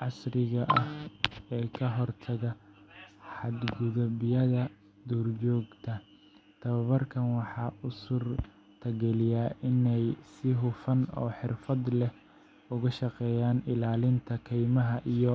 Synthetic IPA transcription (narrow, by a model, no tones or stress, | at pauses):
ʕɑsrɪɣɐʔɐhɛːkʰɐɦɔrt̪ʰɐɣɐ | ħɑd̪ɡʊðɐbɪjɐðɐ | d̪uːrt͡ʃɔːɡt̪ʰɐ | t̪ʰɐβɐβɐrkʰɐnwɑħɑːʊsʊr | t̪ʰɐɡɛlɪjaːʔɪnɛjsɪɦʊfɐnɔ̰ːħɪrfɐd̪lɛh | ʊɣɐʃɑqɛːjaːnɪlaːlɪnt̪ʰɐkʰɛjmɐɦɐʔijɔ